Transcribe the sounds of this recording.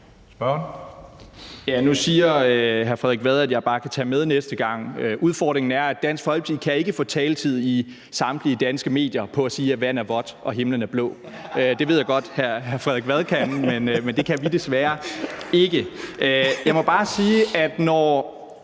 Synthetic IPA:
sb̥ | jænusiːɐøɦæɐfʁɛðˠeɡ̥ʋæð̞ˠæd̥jɑ̈ɪb̥ɑ̈ːkʰæt͡sʰɛ̰ːmeð̞ˠnesd̥əɡ̥ɑ̈ŋ̰øʔuð̞ˠfɒ̰ːd̥ʁeŋn̩æɐæd̥æn̰sɡ̥fhɒ̽l̥̚t͡sʰḭkʰæe̝ɡ̥əfɔ̽ːt͡sʰɛːlət͡sʰið̞̰ˠi | sɑ̈md̥liəd̥ænsɡ̥əme̝̰ːd̥jɐpʰɒ̽æsiːæʋæn̰æɐʋɒ̽d̥ʔɒ̽ɦe̝mlən̩æɐb̥lɔ̰̽ː | ød̥e̝ʋe̝ð̰jɑɪɡ̥ɒ̽d̥hæɐɦæɐfʁɛðˠeɡ̥ʋæð̞ˠkʰænmenmend̥e̝kʰæʋid̥esʋæːɐe̝ɡ̥əʔøjɑ̈ɪmɒ̽b̥ɑ̈ːsiːæd̥nɒ

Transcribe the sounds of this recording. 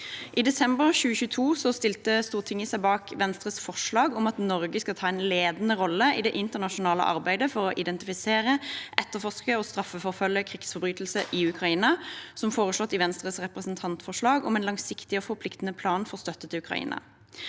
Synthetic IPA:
ʔiːd̪ɛsɛmbəʁçʉːəçʉːət̪ʰuːsɔst̪ɪlt̪əst̪uːʁt̪ʰɪŋəsæɪbɑːkʰʋɛnst̪ʁəsfɔʁʂɭɑːɡɔmɑt̪nɔʁɡəskɑt̪ʰɑːɛɪnleːd̪nəʁɔlːəʔɪd̪ɛʔɪnt̪əʁnɑʃʊnɑːlə̰ʔɑ̰ʁbæɪd̪əfɔɾɔʔɪd̪ɛnt̪ɪfɪseːʁəʔɛt̪ːəfɔʁʂkəɔst̪ʁɑfəfɔʁfœljəkʰʁɪksfɔʁbʁyːt̪lsəʔɪʉkʰʁɑiːnɑsɔmfoːʁəslɔt̪ːɪʋɛnst̪ʁəsʁɛpʁɛsnt̪ʰɑnt̪fɔʁʂɭɑːɡɔmɛːnlɑŋsɪkt̪ɪɔfɔpʰlɪkt̪ən̩əpʰlɑːnfɔʁst̪œt̪ːət̪ʰɪʉkʁɑ̰ḭːnɑ̰

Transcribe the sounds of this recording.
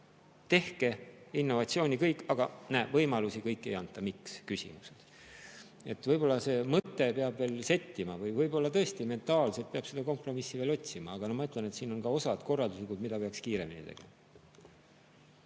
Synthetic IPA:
t̪e̞hke̞inːo̞vɑtsio̞ːnʲikɤjkːˑɑɡ̥ɑnævɤjmɑlusikɤjkːˑe̞̰jɑnt̪ːˑɑmikskysʲḭmused̪̥ | e̞t̪ːvɤjbo̞lːɑse̞ːmɤt̪ˑːe̞peɑbve̞ːlse̞t̪ʲːimɑvɤjvɤjbo̞lːɑt̪ɤ̞e̞st̪ime̞nt̪ˑɑːlset̪̚peɑb̥se̞d̪̥ɑko̞mpro̞misːive̞ːlo̞t̪ʲsimɑ̰ːɡ̥ɑnɑmɑyt̪ːˑlene̞t̪siːno̞nkɑo̞sɑd̪̥ko̞rːɑld̪uslikud̪mid̪̥ɑpe̞ɑkskiːɾe̞̰minḭt̪e̞̰ɡ̥e̞̰mɑ

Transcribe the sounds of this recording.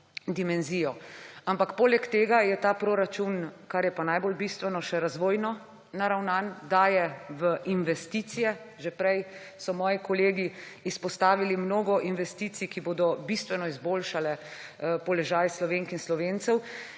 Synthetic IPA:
d̪imɛnziːjɔampakpoːlɛkt̪eːɡajɛt̪aːpɾoɾat͡ʃunkaɾjɛpanajbolbist̪ʋɛnɔʃɛɾazʋoːjnɔː | aɾawnand̪aːjɛʋəʔinʋɛst̪iːt̪sijɛ | ʒepɾɛj | sɔmɔːjikɔleːɡiːspɔst̪aːʋilimnoːɡɔʔinʋɛst̪iːt̪sikiboːd̪ɔbist̪ʋɛnɔizboːlʃalɛpɔlɛʒaːjslɔʋeŋkinslɔʋent̪sɛw

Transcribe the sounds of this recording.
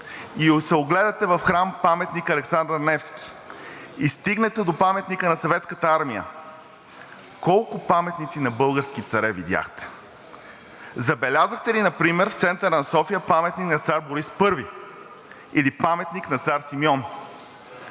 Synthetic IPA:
iosɛoɡlɛd̪ɐt̪ɛvɐfxɾampamɛt̪nikɐlɛksand̪əɾnɛfskʲi̥ | ist̪iɡnɛt̪ɛd̪opamɛt̪nikənɐsɐvɛt̪skət̪əaɾmijə̰ | kɔlˠkʊpamɛt̪nit̪sinɐbɤlˠɡəɾsk̟it̪sɐɾɛvid̪ʲja̰xt̪ɛ̥ | zɐbɛlʲazəxt̪ɛlinɐpɾimɛɾft̪sɛnt̪əɾənɐsɔfijəpamɛt̪niknɐt̪saɾboɾispɤɾvi | ilipamɛt̪niknɐt̪saɾsimjɔn

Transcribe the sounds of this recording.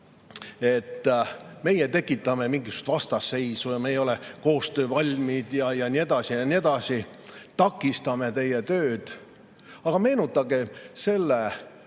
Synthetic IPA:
e̞t̪ːme̞jet̪e̞kːˑit̪ːˑɑme̞miŋɡisu̥st̪vɑst̪ɑse̞jsujɑmejo̞leko̞ːst̪ø̞ːvɑlʲmid̪̥jɑjɑnʲie̞d̪̥ɑsijɑnʲie̞d̪̥ɑsi | t̪ɑkːˑist̪ɑme̞t̪e̞jet̪ø̞ːd̪̥ | ɑɡ̥ɑme̞ːnut̪ːˑɑɡ̥e̞se̞lːe

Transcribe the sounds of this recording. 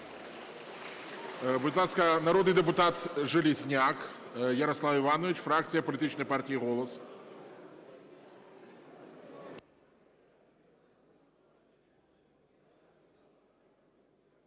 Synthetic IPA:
bʊd̪ʲlˠaskɐnɐɾɔd̪nɨjd̪ɛpʊt̪at̪ʐɨlʲɪzʲnʲakjɐɾɐslˠawɪvanɔvʲɪt͡ɕfɾakt̪sɨjɐpɐlʲɪt̪ɨt͡ɕnəjpartʲijiɣɔlˠəs

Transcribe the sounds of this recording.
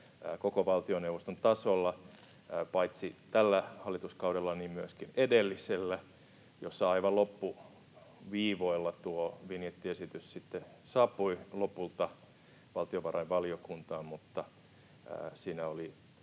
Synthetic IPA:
kokoʋɑlt̪ioneuʋost̪ont̪ɑsolːɑ | pɑit̪sit̪ælːæhɑlːit̪uskɑuɾelːɑniːmmyøskinedelːiselːæ | josːɑɑiʋɑlopːu | ʋiːʋoilːɑt̪uoʋinjet̪ːiesit̪yssit̪ːesɑːpːˑuilopult̪ɑ | ʋɑlt̪ioʋɑrɑiʋʋɑliokunt̪ɑːmmut̪ːɑ̰ː | siːnæoli

